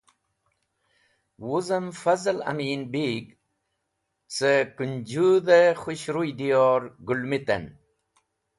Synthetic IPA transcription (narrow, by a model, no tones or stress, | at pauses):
wuzɐmfɐzɐlɐ̰miːnbiːɡ | t͡səkund͡ʑud̪exuɕɾujd̪ijoɾɡulmit̪ɐ̰n